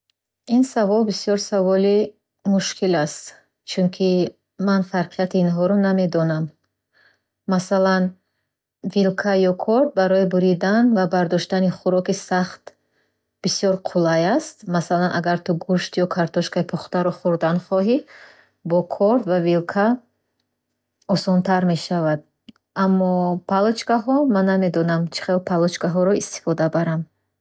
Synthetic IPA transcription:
insavɔlbisjɔɾsavɔli | muʃkʰilast̪ | t͡ʃʰunkʰi | manfaɾqʰijat̪iːnɦɔɾɔname̞d̪ɔnam | asalan | vilkʰajɔkʰɔɾt̪̚baɾɔibuɾid̪anvabaɾd̪ɔʃt̪aniχuɾɔkisaχt̪ | b̥isjɔɾqʰulajast̪masalanʔaɡaɾt̪uɡuʃt̪jɔkʰaɾt̪ʰɔʃkaipʰɔχt̪aɾɔχuɾd̪anχɔɦi | bɔkʰɔɾt̪vavilkʰa | ɔsɔnt̪ʰaɾme̞ʃavad̪̚ | amːɔpʰalɔt͡ʃkaɦɔmanːame̞d̪ɔnamt͡ʃʰi̥χelpʰalɔt͡ʃkaɦɔɾɔist̪i̥fɔd̪abaɾam

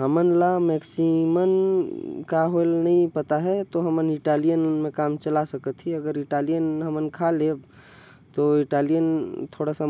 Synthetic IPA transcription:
ɦəmənlamɛksimən | kaɦoelnəĩpət̪aɦɛt̪oɦəməniʈalijənmẽkamt͡ʃəlasəkət̪ʰɦiəɡəɾiʈalijənɦəmənkʰaleb | t̪oiʈalijənt̪ʰoɽasə

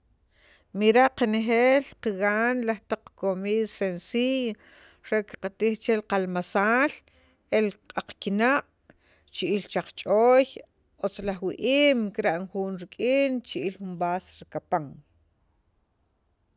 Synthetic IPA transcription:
miɾaʔqanexeːlqiɣaːnlaχt̪aq͡χkomiːðsensij | ɾeki̥qat̪iχt͡ʃelqalmasaːl | elqʼaq͡χkinaʔʼ | t͡ʃiʔilt͡ʃaq͡χt͡ʃʼoːj | ot͡slaχwiʔiːmkiɾaʔnxuːnɾikʼiːnt͡ʃiʔilxumbaːsɾikapaŋ

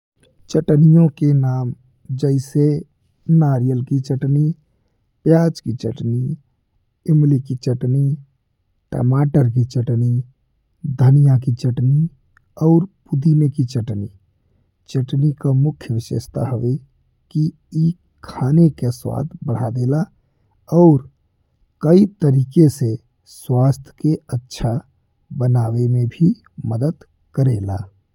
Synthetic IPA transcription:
t͡ʃəʈnijõkenaːm | d͡ʒəɪse | naːɾijəlkit͡ʃəʈni | pjaːd͡ʒkit͡ʃəʈni | ɪmlikit͡ʃəʈni | ʈə̰maːʈəɾk̬it͡ʃəʈni | d̪ʱənijak̬it͡ʃəʈni | ɔːɾpʊd̪imekit͡ʃəʈni | t͡ʃəʈnikamʊkʰjəʋɪʃḛst̪ʰa̰ɦəʋe | ki | i | kʰaːnekeswa̰ːt̪ʰbəɽ̤ad̪eːla | ɔʊɾ | kəit̪əɾiːkese | swaːst̪ʰj̥keətːʃʰa | bənaːwemẽbʱi | məd̪əd̪ | kəɾeːla̰ː

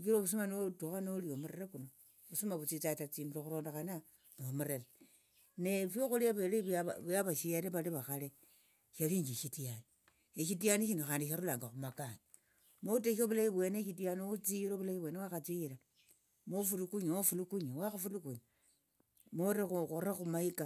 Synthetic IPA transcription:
kiɾoβus̬umanotuxanolijomuɾeɾekuno | βusumaβut͡sit͡satat͡simbiɾoxuɾoːndaxana | momuɾeɾe | nefjoxuliaβeleβaβujaβaʃijaɾeβaliβaxale | ʃaliːɲd͡ʒiʃitijani | eʃitijaniʃinoxaːndiʃaɾulaːŋɡaxumakani | mot̬eʃoβulajiβwe̞neʃitianiut͡siɾoβulaiβwe̞newaxat͡siiɾa | mofulukuɲofulukuɲawaxafulukuɲa | moɾexukoɾaxumaika

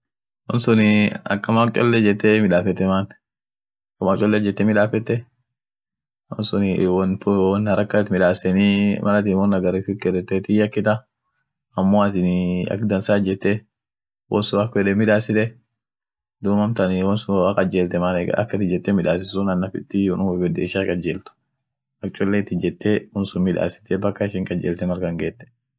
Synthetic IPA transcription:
wɔnsʊnɪɐ̰kːɐmakt͡ʃʼɔ̰lːɛd͡ʒɛt̪ːɛmɪᶑaːfɛt̪ːɛmaːn | kːɐmakt͡ʃʼɔlːɛd͡ʒɛt̪ːɛmɪᶑaːfɛt̪ːɛ | wɔ̰nsʊnwɔnpwɔnhɐɾɐkːɐt̪mɪᶑaːsɛnimɐlɐt̪iːnwɔnɐɡɐɾɪfɪkːɛɾɛt̪ːɛt̪ɪjɐkːɪt̪ɐ | ɐmːoːɐt̪ɪnɐ̰kd̪ɐnsaːd͡ʒɛt̪ːɛ | wɔnsʊɐkɛᶑɛmɪᶑaːsɪt̪ɛ | d̪ʊmɐmt̪ɐniwɔnsʊakʼɐd͡ʒeːlt̪ɛmanɛ̰ɐ̰kːɐt̪ɪd͡ʒɛt̪ːɛmɪᶑaːs̬ɪsʊnɐnːɐfɪt̪ːɪwʊnʊwbɛd̪eːʃakʼɐd͡ʒeːlt̪ʊ̥ | ɐkt͡ʃʼɔlːeːt̪ːɪd͡ʒɛt̪ːeʊnsʊmɪᶑa̰ːsɪ̥t̪ɛbɐkːɐɪʃɪŋkʼɐd͡ʒeːlt̪ɛmɐɾkɐŋɡeːt̪ːɛ̥

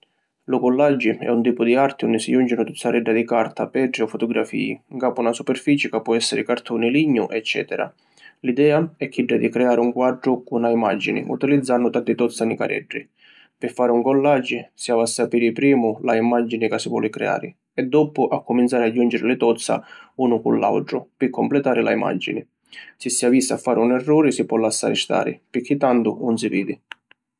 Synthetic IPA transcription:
lʊkɔlːad͡ʒːɪɛ̰unt̪iːpʊd̪iart̪ɪundɪsijund͡ʒɪnʊt̪ut̪ːaɾɛɖːad̪ikart̪apɛːɖɾɪɔfʊt̪ɔɡɾa̰fḭːḭŋkaːpʊunasupɛrfiːt͡ʃɪkapːɔɛsːɪɾɪkart̪unɪliɲːʊʔɛt͡ʃːɛ̰ːt̪ɛɾa̰ | lid̪ɛːaɛkːiɖːad̪ikɾɛaːɾɪuŋkwaɖɾʊkunaima̰d͡ʒinɪ̰ʔṵt̪ilid̪zːanːʊt̪at̪ɪt̪ɔt̪sːanɪka̰ɾɛ̰ɖːɪ | pɪfːaːɾɪuŋkɔlːad͡ʒɪsjaːvasːapiːɾɪpɾiːmʊlaimad͡ʒːinɪkasːivwɔ̰ːlɪkɾɛ̰a̰ːɾɪ | ɛd̪ːɔpʊʔakːʊmint̪saːɾɪad͡ʒːund͡ʒɪɾɪlɪt̪ɔt̪sːa̰uːnʊkṵnla̰wʈɾʊpɪkʰːɔmplɛt̪aːɾɪla̰ima̰d͡ʒːḭnɪ | sɪsːiaviːsa̰fːaːɾɪunɛrːɔːɾɪsipwɔlːasːa̰ːɾɪst̪a̰ːɾɪ̰pɪkːɪt̪ːand̪ʊnʊnsivḭːd̪i

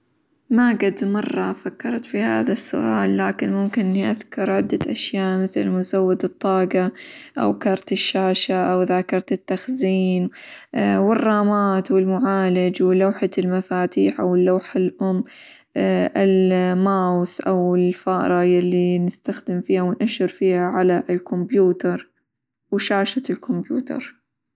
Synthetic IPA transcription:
maɡad̪mɑrˤːɑfakːɑɾˤt̪fiha̰ːðasːʊ̰ʔa̰ːlːaːkɪnmʊmkɪnʔɪnːiʔaðkʊɾˤʕɪd̪ːaʔaʃjaːʔmɪθlmʊzawːɪd̪ɨt̪ˤːɑːɡaʔa̰wkɑɾˤt̪ɪʃːaːʃaʔawðakɑɾˤt̪ɪt̪ːaxziːn | wɪrˤːɑːmaːt̪wɪlmʊʕaːlɪd͡ʒwɪlawħalmafaːt̪iːħʔawɪlːaːħalʔʊmː | ʔɪlmaːwsʔawɪlfaːʔɾˤɑjalːinɪst̪axd̪ɪmfiːhawɪnʔaʃɪɾfiːhaʕalaʔɪlkʊmbjuːt̪ɑɾˤ | wʃaːʃat̪ɪlkʰʊmbjṵːt̪ɑ̰ɾˤ

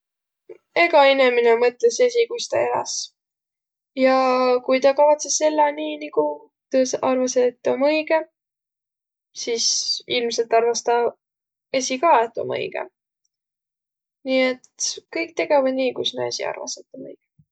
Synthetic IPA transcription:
e̞ɡɑineminemɤt̪ːˑlese̞sikujst̪ɑ̰eɾɑ̰s | jɑkujt̪ɑkɑvɑt̪se̞sːe̞lːɑniːniku | t̪usɑrvɑset̪ːomɤjɡe | sisilmse̞lt̪ːˑɑrvɑst̪ɑ | e̞sʲikɑːet̪ːo̰mɤ̰jɡ̥ḛ | niːe̞t̪kɤjk̚t̪e̞ɡ̥e̞vɑd̪niːkujsnḛsḭɑ̰rvɑ̰set̪ːonɤ̰jɡ̥e

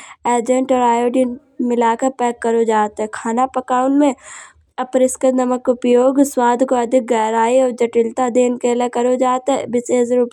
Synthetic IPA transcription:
eːd͡ʒə̃ɳʈɔːɾaːjoːɖin | mɪlaːkəɾpɛːkːəɾod͡ʒaːt̪ɦɛkʰaːnapəkaːʊnmẽ | ɐpəɾɪskɪt̪nɐməkʊpjoːɡswaːd̪ʱkoɐd̪ʱɪk̚ɡɛːɾaːiɔːɾd͡ʒɐʈɪlt̪ad̪eːnkeːlekəɾod͡ʒaːt̪ɦɛbɪseːd͡ʒɾuːp

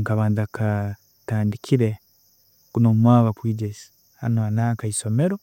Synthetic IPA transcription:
ŋkaβaːnzakʰa | taːndikʰiɾe | ɡ̥unoːmwaːβakwiːɟesi̥ | ha̰noanaːkaiso̞me̞ɾo

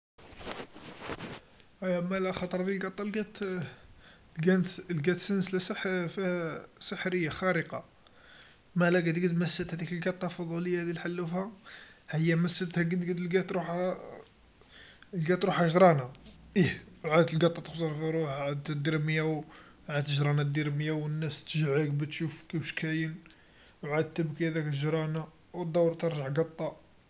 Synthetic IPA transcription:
æjmælæxɑt̪ˤɾˤd̪ilɡɑt̪ˤːɑlɡæt̪ | lɡænt̪lɡæt̪sənslæsfisəħɾəjːaxæɾəqɑ | mælæɡæd̪ɡəd̪məsːət̪hæt̪ikəlɡɑt̪ˤːɑfɑd̪ˤuləjːad̪ilħalːufæhəjːæməsːət̪hæɡəd̪ɡəd̪lɡæt̪ɾuħa | lɡæt̪ɾuħæʒɾˤɑnaʔihwʕad̪t̪əlɡɑt̪ˤːɑt̪ə̥xsɑɾˤfiɾuħʕad̪t̪d̪iɾməjaw | ʕad̪t̪əʒɾˤɑnad̪iɾməjawənːæst̪əʒʕəkbæt̪ʃufkiwʃkæjən | wʕad̪̚t̪ːəbkiæd̪ækʒɾˤɑna | wt̪̚d̪ˤɑwɾt̪əɾˤʒaʕɡɑt̪ˤːɑ

